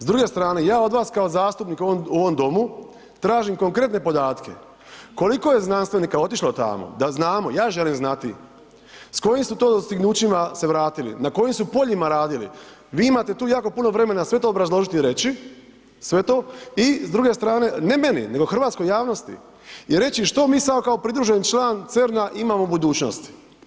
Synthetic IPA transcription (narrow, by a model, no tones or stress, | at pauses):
zd̪ɾuɡe̞st̪ɾaːne̞jaːo̞d̪ʋaːskao̞zaːst̪upniːkoouoʋo̞md̪o̞mu | t̪ɾaːʒimko̞ŋkɾe̞t̪ne̞po̞d̪aːt̪kʰe̞̰ | ko̞liko̞je̞znanst̪ʋe̞niːkao̞t̪iʃlot̪a̰mo̰d̪aznaːmojaːʒe̞limznat̪ḭ | sko̞jimsut̪o̞ːd̪ost̪iɡnuːt͡ɕimaseʋɾaːt̪ilḭnako̞jimsupo̞ʎimaɾaːd̪ilḭ | ʋiːimat̪e̞t̪uːjaːko̞punoʋɾe̞me̞nasʋe̞t̪oːbɾazlˠo̞ʒit̪iɾe̞t͡ɕi | sʋe̞t̪o̞izd̪ɾuɡe̞st̪ɾaːne̞ne̞me̞nḭne̞ɡo̞xr̩ʋat̪sko̞jaːʋno̞st̪ḭ | iɾe̞t͡ɕiʃt̪o̞miːsamo̞kaopɾid̪ɾuʒent͡ʃlˠaːnt̪se̞ɾnaʔimamobud̪uːt͡ɕno̰st̪i̥